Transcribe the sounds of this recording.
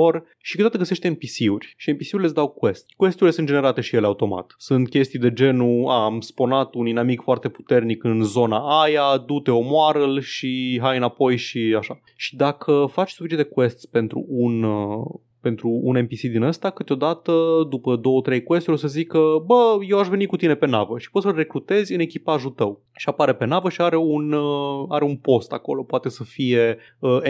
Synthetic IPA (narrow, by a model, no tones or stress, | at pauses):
or | ʃikɨt̪od̪at̪əɡəse̞ʃt̪eempisiurʲʃiempisiuɾʲlesd̪awkwe̞st̪ʲkwe̞st̪uɾlesɨnd͡ʒene̞ɾat̪e̞ʃije̞leaut̪o̞ma̰t̪sunt̪̚kʲe̞st̪ijd̪e̞d͡ʒe̞nuaːmspo̞nat̪uninamikfoart̪e̞pu̥t̪e̞rnikɨnzo̞naajad̪ut̪e̞o̞moaɾəlʃiɦajɨnapo̞jʃiaʃa | ʃi̥d̪akʰəfat͡ʃʲsufit͡ʃit̪ekwe̞st̪sʲpe̞nt̪ɾṵunə | pe̞nt̪ɾuune̞mpisid̪inəst̪akɨt̪eo̞d̪at̪əd̪upəd̪o̞wət̪ɾe̞jkwe̞st̪uɾosəzikəbəjewaʃve̞nikut̪ine̞pe̞navəʃi̥po̞t̪səlre̞kɾut̪e̞zʲɨne̞kʲipaʒut̪əw | ʃiapaɾe̞pe̞navəʃiaɾe̞unəaɾeunpo̞st̪ako̞̰lo̞poat̪e̞səfije̞ | ə